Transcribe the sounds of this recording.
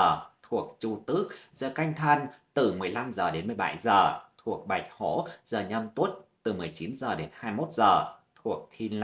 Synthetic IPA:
t̪ʰu˨˩ək̚t͡ɕu˧t̪ɨ˦˥ək̚z̥əː˧˩ka˧jŋ̟t̪ʰa˧nt̪ɨ˨˩mɨ˨˩əjla˧mzəː˨˩ɗe˨˦nmɨ˨˩əjɓa̰˧˩jzəː˨˩t̪ʰu˨˩ək̚ɓa˨˩jk̟̚ho̰˧˥zəː˨˩ɲə˧mt̪u˦˥ət̚t̪ɨ˨˩mɨ˨˩əjt͡ɕi˨˦nzəː˨˩ɗe˨˦nhaː˧jmo˦˥t̚zəː˨˩t̪ʰu˨˩ək̚t̪ʰi˧l

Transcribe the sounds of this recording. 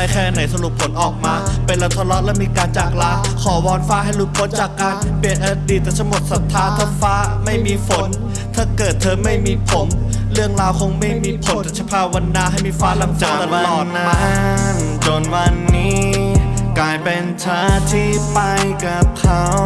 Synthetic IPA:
a˧˩jkʰɛː˧˩ʔna˩˦js̬a˧ɾu˨˩pʰo˨˩˦nʔɔː˨˩k̚maː˧pe˧nlɛ˦˧˩wt̪ʰɔ˧˥lɔ˦˥ʔlɛː˦˥wmiː˧kaː˧nt͡ɕaː˨˩k̚laː˧˥kʰɔː˩˦wɔː˧nfaː˦˥ɦa˥˩jɾu˦˥t̪̚pʰo˦˥n̚t͡ɕaː˨˩kːaː˧npi˧ənʔaː˧diː˨˩t̪ːɛː˨˩t̪ʰa˧˥mo˨˩t̪̚sa˨˦t̪ʰːaː˦˥t̪ʰaː˧˩faː˦˥ma˥˩jmiː˧fo˩˦n | t̪ʰaː˥˩kɤː˨˩t̪ʰːɤː˧ma˥˩jmiː˧pʰo˩˦mɾɯ˥˩əŋɾaː˧wkʰo˧ŋma˥˩jmiː˧pʰo˨˩˦n˦t̪a˨˧˩t͡ɕʰa˧˥pʰaː˧wa˧nːaː˧˥ɦa˥˩jmiː˧faː˦˥la˧msa˨˦˨t̪a˧a˧lɔː˨˩t̪̚ːaa˧˦˥nt͡ɕo˧nwa˧nːiː˦˥ | kaː˧jpe˧nt͡ɕʰaː˦˥t̪ʰiː˥˩pa˧jka˨˩p̚kʰa˦˥w

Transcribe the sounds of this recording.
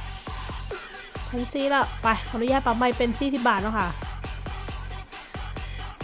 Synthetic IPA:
tʰa˧˥nsiː˧˦˥la˧˩pa˧˩jkʰa˨˧˨nu˦˥jaː˧˩t̪̚pa˨˧˩ma˧jpe˧nsiː˥˩t̪ʰiː˧˥˩baː˨˩t̪̚nɔ˧˥˩kʰa˥˩

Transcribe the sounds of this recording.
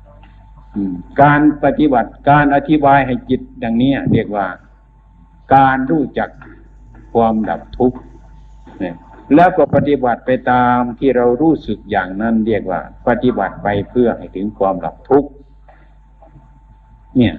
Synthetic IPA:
ʔɯː˧˩kaː˧npa˧t̪i˧ba˨˩t̪̚kaː˧nʔa˧t̪ʰi˧˥baː˧jɦa˨˩jki˧t̪̚da˧ŋni˦˥ɐɾi˧˩ək̚waː˧˩ | kaː˧nɾuː˧˩t͡ɕa˨˩kʰː | uː˧mda̰˨˧˩p̚t̪ʰu˦˧˥k̚ | nɛ˧˩lɛː˧˥˩wkɔ˧˩pa˧t̪i˧˦ba˨˩t̪̚pa˧jt̪aː˧mt̪ʰiː˧˩ɾa˧wɾuː˧˥˩sɯ˨˩k̚jaː˨˩ŋna˧˥˨nɾi˧˥˩ək̚wa̰ː˧˩pa˧t̪i˧˩ba̰˨˩t̪̚pa˧jpʰɯ˧˩ɐha˨˩jt̪ʰɯ˨˦ŋkʰwaː˧mla̰˨˧˦p̚t̪ʰu˦˥k̚ | ni˧˩ɐ

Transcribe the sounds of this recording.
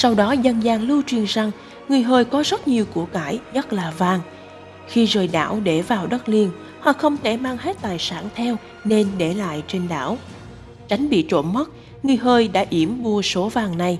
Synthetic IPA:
sa˧wɗɔ˨˦zə˧nzaː˨˩ŋlɨ˧t͡ɕwi˨˩ənza˨˧˩ŋ | ŋɨ˨˩əjɦəː˧jkɔ˨˦zə˦˥t̚ɲi˨˩əwku˧˩əkaː˧˩jɲə˦˥t̚laː˨˩vaː˨˩ŋ | xi˧zəː˨˩jɗa̰ː˧˩wɗe˧˩vaː˨˩wɗə˦˥t̚li˧ən | hɔ̰ː˧˨˩xə˧wŋ͡mt̪ʰe˧˩maː˧ŋhe˦˥t̚t̪aː˨˩jsaː˧˩nt̪ʰɛ˧w | ne˧nɗe˧˩la̰ː˧˨jt͡ɕe˧nɗa̰ː˧˩˨w | t͡ɕa˨˦jŋ̟ɓḭ˧˨t͡ɕo̰˧˩nmə˦˥t̚ | ŋɨ˨˩əjɦəː˧jɗa̰ː˧˥ʔi˧˩əmɓu˧əso˨˦vaː˨˩ŋna˨˩j

